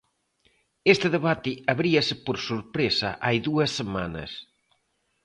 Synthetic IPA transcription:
est̪ɪðeβat̪ɪɐβɾiɐsɪpoɾsuɾpɾesɐ̰ʔajðuɐsːema̰nɐ̰s

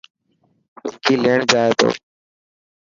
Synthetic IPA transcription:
ʊkiːleːɳd͡ʒaːeːt̪o̰ː

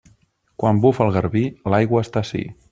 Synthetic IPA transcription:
kwambufəlˠɣəɾβilajɣwəːst̪asḭ

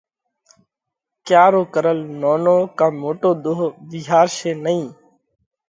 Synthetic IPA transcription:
kjaːɾoːkəɾəlnoːnoːkãːmoːʈoːd̪oːɦʋiɦaːɾʃeːnəĩː

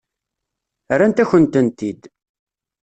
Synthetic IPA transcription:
ɾːænt̪æçənt̪ənt̪id̪

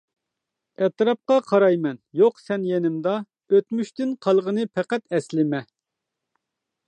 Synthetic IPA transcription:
ɛt̪ɾɑp̚qɑqʰɑɾɑjmɛnjoqsɛnjenɪmd̪ɑ | øt̪myʃt̪ɪnqʰɑlˠʁənɨpʰæqæt̪ɛslɪmɛ

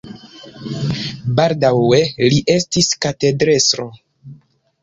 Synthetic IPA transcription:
baldawe̞liʔe̞stiskate̞dɾe̞sɾo

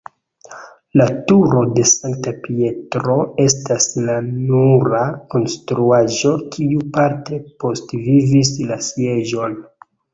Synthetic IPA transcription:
latuɾo̞de̞saŋk̚tapie̞tɾo̞e̞staslanuɾako̞nstɾuaʒo̞kʰiupaɾte̞po̞stvivislasje̞ʒo̞n

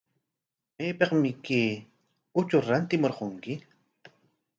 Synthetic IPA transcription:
meːpeqmɪkeː | ʊt͡ʃʊɾant̪ɪmoɾqoŋkɪ

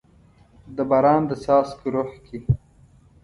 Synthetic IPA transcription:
d̪əbɑɾɑːnd̪əsɑːskuɾoħki

